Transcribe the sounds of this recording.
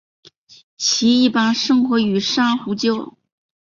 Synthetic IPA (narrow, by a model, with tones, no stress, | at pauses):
t͡ɕʰi˧˥i˥˩pa˥nʂɤ˥ŋxwɔ˧˥y˨˩ʂɑ˥ŋxu˧˥t͡ɕjo˥ʊ